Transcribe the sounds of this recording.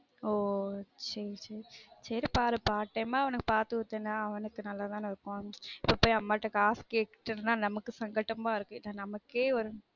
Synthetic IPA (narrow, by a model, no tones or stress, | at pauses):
oːt͡ʃːɛɾsɛɾisɐɾipaːɾɐpaːʈːɐjmaːɐʋɐnɯkːɯ̥paːɾt̪ɯɯɾt̪ːɯnːaːɐʋɐnɯkːɯnɐlːaːt̪ãːnɐɾɯkːõɪpːoːpːoːjiɐmːaːʈːɐkːaːskeːkːʈːɪnɯnaːnɐmɐkːɯsɐŋɡɐʈːɐmaːɪɾɯkːɯnanɐmɐkːeːɔɾɯ